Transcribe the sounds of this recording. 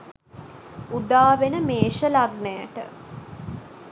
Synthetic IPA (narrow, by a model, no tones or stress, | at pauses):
ud̪aːʋenəmeːʃəlaɡnəja̰ʈə̰